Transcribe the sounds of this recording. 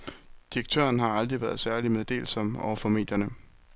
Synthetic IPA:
d̥iʁeɡ̥̚t͡sʰø̰ɐnɦɑ̈ɑ̈ld̥ʁiʋæɐð̞ˠsæɐlimeðˠd̥e̝̰ːlsɒ̽m̰ɒ̰ʊ̰ɐfɒ̽me̝ːd̥jɐnə

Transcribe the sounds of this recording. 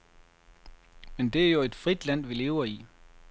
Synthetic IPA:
mend̥e̝æɐjo̝e̝d̥fʁid̥læn̰ʋile̝ːʊɐi

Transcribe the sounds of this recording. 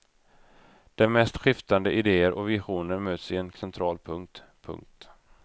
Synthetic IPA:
d̪̥ɛnmɛst̪ɧɪft̪and̪əʔɪd̪eːəɾʔɔvɪɧuːnəɾmøːt̪sɪɛnsɛnt̪ʰɾɑːlpʰɵŋkt̪pʰɵ̰ŋk̚t̪

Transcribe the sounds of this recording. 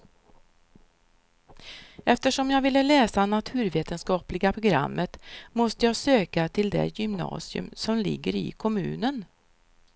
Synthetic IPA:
ɛft̪əʂɔmjɑːɡvɪlːəlɛːsanat̪ʰʉ̟ːɾveːt̪ənskɑːplɪɡapʰɾʊɡɾa̰mːət̪mɔst̪əjɑːsøːkat̪ʰɪld̪ɛ̰jʏmnɑ̰ːsɪɵ̰msɔmlɪ̰ɡːəɾɪ̰kʰɔmʉ̟̰ːnən

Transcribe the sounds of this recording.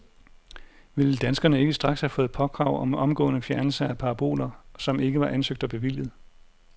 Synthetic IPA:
ʋiləd̥ænsɡ̥ɐnəe̝ɡ̥əsd̥ʁɑ̈ɡ̥shæfɔ̽ːð̞̩ˠpʰɒ̽ɡ̥ʁɑ̈ʊ̰ɒ̽mɒ̽mɡ̥ɔ̰̽ːnəfjæɐnl̩sɐæpʰɑ̈ɑ̈b̥o̝̰ːlɐsɒ̽me̝ɡ̥əʋɑ̈ʔænsøɡ̥d̥ɒb̥e̝ʋil̰jð̞̩ˠ

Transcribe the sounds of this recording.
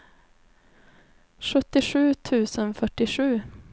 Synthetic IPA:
ɧɵt̪ːɪɧʉ̟ːt̪ʰʉ̟ːsənfœʈːɪʂʉ̟ː

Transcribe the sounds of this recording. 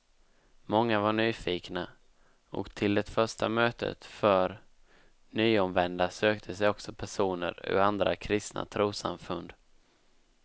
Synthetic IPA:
mɔŋːavaɳyːfiːkna | ɔ̰kt̪ʰɪld̪ɛt̪fœʂʈamøːt̪ʰə̰t̪fœɾ | nyːɔmvɛnd̪asøːkt̪ʰəsɛjɔksɔpʰæʂuːnə̰ɾɵ̰and̪ɾa̰kʰɾɪst̪na̰t̪ʰɾuːsa̰mfɵnd̪

